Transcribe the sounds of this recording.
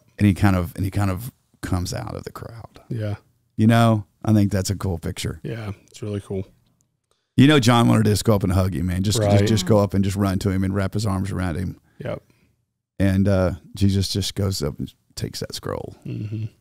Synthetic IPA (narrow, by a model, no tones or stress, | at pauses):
ʔɨ̃nikʰãɪ̃ndʌvɨ̰̃nikʰãɪ̃ndʌv̥ | kʰʌ̃mza̰ʊɾʌ̰vðɨkʰɹ̥a̰ʊd̥jæ | jɨnoʊʔaɪθɪ̃ŋk̚ðætsɨkʰulˠpʰɪk̚t͡ʃə̰˞jæɨtsɹɪlˠikʰulˠ | jɨñoʊd͡ʒɑ̃nwɑ̰̃nɨɾɨʌsɡ̥oʊʌpnɦʌɡḭmæ̃nd͡ʒʌsd͡ʒʌsd͡ʒ̥ʌsɡ̥oʊʌpɨ̃nd͡ʒʌst̬̚ɹʌ̃ntʰɨɨ̃mɨ̃nɹæphɨzɑɹmzə˞ãʊ̃nd̥̚ɨ̃m | jɛ̰p̚ | ɨ̃nʌʃid͡ʒʌsd̥ʒ̥ʌsɡ̥oʊzʌ̰pn̩ | tʰeɪksðɨ̰tskɹo̰ʊl̩ˠm̥m̩